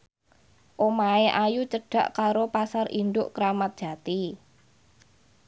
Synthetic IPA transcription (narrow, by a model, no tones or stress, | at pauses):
ʔomaeʔajut͡ʃəɖ̥a̤ʔkaɾopasarʔind̪ʊʔkəɾamat̪̚d̥ʒ̥ä̤t̪i